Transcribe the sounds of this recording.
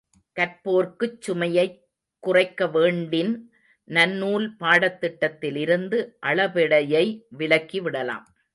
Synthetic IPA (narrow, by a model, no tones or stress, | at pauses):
kɐɾpoːɾkɯt͡ʃːʊmɐjɐɪ | kːʊrɐɪkːɐʋeːɳɖɪn | nɐnːuːlpaːɽɐt̪ːɪʈːɐt̪ːɪlɪɾɯnd̪ɯʔɐɭɐʋɪɽɐjɐɪʋɪɭɐkːiʋɪɽɐla̰ːm